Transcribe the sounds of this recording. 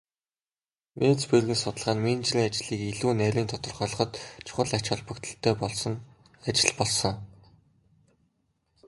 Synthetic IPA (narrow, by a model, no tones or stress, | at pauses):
mʔet͡sperɣɘ̆nsʊt̪ə̆ɮʁaːnmint͡ɕrʲiːŋat͡ɕɮiːkiɮuːnæːɾʲiːnt̪ʰɔt̪ɞ̆rχɔɮɞ̆χɞ̆t̪t͡ɕʰʊ̥χə̆ɮat͡ɕχə̆ɮpə̆kt̪ʰə̆ɬt̪ʰːœːpɔɮsɞ̆ŋ | at͡ɕɪ̆ɮpɔɮsɞ̆ŋ